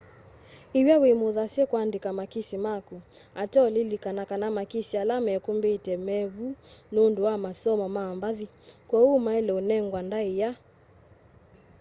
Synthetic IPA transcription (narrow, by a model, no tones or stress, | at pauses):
iwjawimuðasɛkwandikamakisimaku | atɔlilikanakanamakisialamɛkumbetɛmɛβununduwamasɔmɔmambaði | kwɔumaɛlɛunɛŋɡwandaija